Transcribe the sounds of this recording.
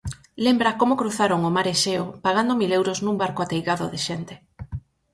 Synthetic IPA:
lembɾakomokɾuθaɾoŋomaɾeʃeopaɣ̞and̪omilewɾoznũmbaɾkoat̪ejɣaðoðɪʃent̪e̥

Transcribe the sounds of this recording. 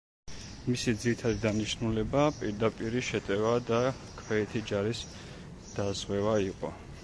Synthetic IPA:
misid̪ziɾit̪ʰad̪id̪aniʃnulɛbapʼiɾd̪apʼiɾiʃɛt̪ʼɛvad̪a | kʰwɛɛt̪ʰid͡ʒaɾis | d̪̥azʁwɛvaiqʼɔ̰

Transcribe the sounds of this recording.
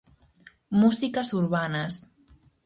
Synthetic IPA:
muzikəzuɾβanas

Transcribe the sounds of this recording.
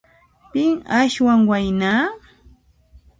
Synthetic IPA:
pɪŋaʃwaŋwajnaː

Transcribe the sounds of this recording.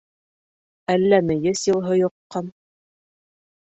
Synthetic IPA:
ælːænɘ̆jɘsjɤ̆lˠɦɤjŏqːɑn

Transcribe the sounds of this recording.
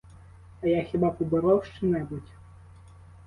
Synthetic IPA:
ɐjaxʲibapubɨɾɔwʂt͡ʂɨnʲɛbut͡sʲ

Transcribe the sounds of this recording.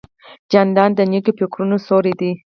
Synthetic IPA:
d͡ʒand̪ɑnd̪ənekopokɾunosoɾid̪i

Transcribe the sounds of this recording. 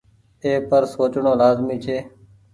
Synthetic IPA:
eːpəɾsoːt͡ʃɳõːlaːzmiːt͡ʃʰeː

